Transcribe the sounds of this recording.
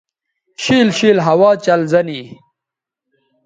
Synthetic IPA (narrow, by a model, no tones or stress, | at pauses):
ɕiːlɕiːlɦɐwaːt͡ɕɐlzɐni